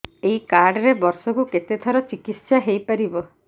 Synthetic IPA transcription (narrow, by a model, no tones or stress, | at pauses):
eikaɾɖɔɾebɔɾsɔkuket̪et̪ʰɔɾɔt͡ʃikit̪saɦejpaɾibɔ